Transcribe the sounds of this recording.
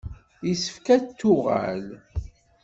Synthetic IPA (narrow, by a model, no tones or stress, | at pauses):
isə̥fkæt̪ːʊʁa̰l